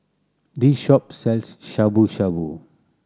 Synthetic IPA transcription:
d̪iʃɔpsɛlsʃabuʃabu

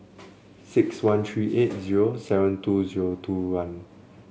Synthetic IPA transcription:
sɪkswãntʰɹiʔet̚ziɹosɛvə̃ntuziɹotʰuwãn

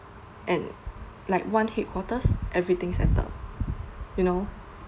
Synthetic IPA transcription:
ʔɛ̃n | laɪkwãnhet̚kʰwɔtəsʔɛvɹit̪ɪ̃ŋsɛ̰tə̰ | juno

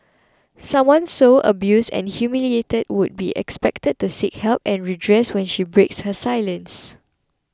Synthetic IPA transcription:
sãmwãnsoʔə̰bjusdɛ̰̃nhjumilietəd̚wud̚bḭʔɛ̰kspɛk̚təd̚tusikhɛlpɛ̃nɹidɹɛswɛ̃nʃibɹekshəsajlə̃ns

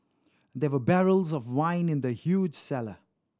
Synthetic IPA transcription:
d̪ɛwəbɛɹəlˠzɔvwãɪ̃nɪ̃nd̪əhjuːd͡ʒ̥sɛlə̰

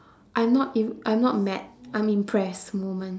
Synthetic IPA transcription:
ʔãj̃mnɔtiʔãj̃mnɔt̚mɛ̰t̚ʔãɪ̃mĩmpʰɹɛsmomə̃n

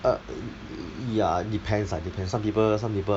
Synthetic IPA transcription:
ə | jadipʰɛ̃nsadipʰɛ̃nsãmpipəsãmpipə

